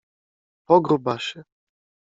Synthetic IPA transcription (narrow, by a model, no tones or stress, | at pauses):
pɔɡɾubaʃɛ